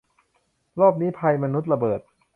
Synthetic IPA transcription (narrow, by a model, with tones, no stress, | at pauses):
ɾɔː˥˩p̚niː˦˥pʰa˧jma˧nu˦˥t̪̚ɾa˧bɤː˨˩t̪̚